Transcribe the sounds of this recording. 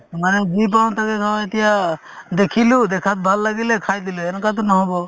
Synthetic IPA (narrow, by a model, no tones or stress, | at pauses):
maned͡ʒip̬awnt̪ʰakekʰaet̪ija | d̪ekʰilud̪ekʰat̪̚bʱalːaɡilekʰajd̪iluɛnkat̪̬ɔnɔɦɔbɔ